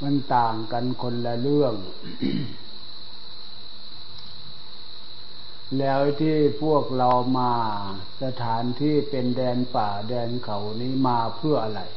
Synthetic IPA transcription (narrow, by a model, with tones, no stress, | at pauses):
ma˧˥˨nt̪aː˨˩ŋka˧nkʰo˧nla˧lɯ˥˩əŋ | lɛː˦˥wt̪ʰiː˧˥˩pʰu˥˩ək̚la˧wmaː˧ | sa˧t̪ʰaː˨˦nt̪ʰiː˧˥˩pe˧ndɛː˧npaː˨˩dɛː˧nkʰa˨˩wniː˦˥˨maː˧pʰɯ˥˩əʔa˧la˨˩j